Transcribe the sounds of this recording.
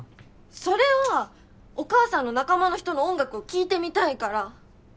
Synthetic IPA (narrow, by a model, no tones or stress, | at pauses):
so̞ɾe̞βa | okaːsãnːo̞nakamano̞çi̥t̪o̞no̞õŋɡakɯ̟okʲiːt̪e̞mʲit̪aikaɾa